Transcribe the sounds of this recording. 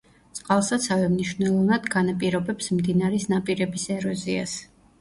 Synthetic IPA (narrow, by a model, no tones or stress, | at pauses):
t̪sʼqʼalˠsat̪sʰavɛmniʃvnɛlˠɔvnad̪̥ɡanapʼiɾɔbɛpsmd̪inaɾɛsnapʼiɾɛbisɛɾɔzia̰s